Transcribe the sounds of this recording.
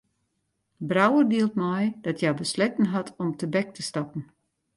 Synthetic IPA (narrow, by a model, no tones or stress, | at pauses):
brawərdiəlˠtmɔjd̥ɔtjabəslɪtn̩ɦatʰɔmtəbɛk̚tʰəstɑpn̩